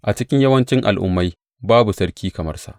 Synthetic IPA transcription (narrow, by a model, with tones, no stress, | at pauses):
ʔa˨t͡ʃɪ˦kʲɪ˦ɲjɐ˦wɐ˦nt͡ʃɪ˦ŋʔa̰˨lʔʊ̰˦mːa˦j | baː˦bu˨sɐ˦rkʲiː˦kɐ˨mɐ̰˦rsa̰˨ʔ